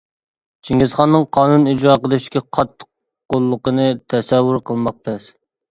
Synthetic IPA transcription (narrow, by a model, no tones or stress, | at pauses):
t͡ʃʰiŋʲizχɑnːɨŋqʰɑːnunid͡ʒɾɑːqəlˠɨʃkʲɛqʰɑt̪ːə̥q | qolˠːəqənɨt̪ʰɛsɛwːuɾqʰəlˠmɑq̚t̪ʰɛs